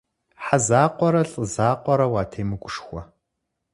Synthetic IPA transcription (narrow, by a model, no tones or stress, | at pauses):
ħazaːqʷɔɾɐɬʼəzaːqʷɔɾɐwaːtʰeːmɨɡʷʊʂxʷɔ